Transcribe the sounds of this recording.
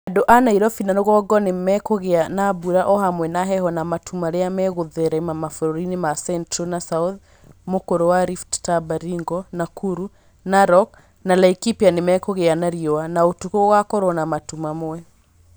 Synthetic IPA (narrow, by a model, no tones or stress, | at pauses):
adoʔanaiɾɔfinaɾoɣɔɡɔnemɛkɔɣeanabuɾaʔɔɦamwɛnaɦɛɦɔnamatʰumaɾeamɛɣoðɛɾɛmamafoɾoɾinemasɛntɾonasað | mokoɾowaɾifttabaɾiŋɡɔnakʰuɾu | naɾɔk | nalaikipianemɛkɔɣeanaɾiɔanaotukowakɔɾɔnamatumamoɛ